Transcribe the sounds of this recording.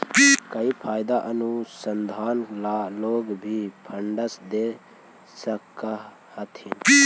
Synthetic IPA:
kəipʰaːjd̪aʔənusənd̪ʱaːnlaloːɡbʱipʰəɳɖəsd̪e | səkːa | hət̪ʰin

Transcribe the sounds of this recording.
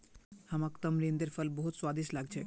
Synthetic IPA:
hamakt̪əmɾind̪eɾfəlbɔɦut̪swad̪iʃlaɡ̚t͡ɕʰe

